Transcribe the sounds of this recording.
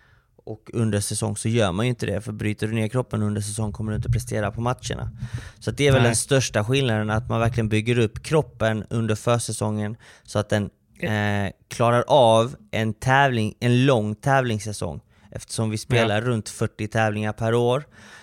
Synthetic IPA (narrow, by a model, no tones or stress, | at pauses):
ʔɔkɵnd̪əʂɛsɔ̰ŋːsɔjœːɾmanjɵɪnt̪əd̪ɛ̰fœɾbɾyːt̪əɖɵneːɾkʰɾɔpːənɵnd̪əʂ̬ɛsɔŋːkʰɔmːəɖɵɪnt̪ɔpʰɾɛst̪eːɾapʰɔmat̪ʂə̰ɳa̰sɔat̪̚d̪ɛæɾvɛld̪ɛnst̪œʂʈaɧɪlnad̪ənat̪manvæɾklɪɡənbʏɡːəɾɵpːkʰɾɔpːənɵnd̪əɾfœːʂɛsɔŋːən | sɔat̪̚d̪ɛn | kʰlɑːɾaɾʔavʔɛnt̪ʰɛːvlɪŋɛnlɔŋːt̪ʰɛːvlɪŋsɛsɔ̰ŋː | ʔɛ̰ft̪ə̥ʂɔmvɪspeːlaɾːɵnt̪fœʈːɪt̪ʰɛːvlɪŋaɾpʰæɾoːɾ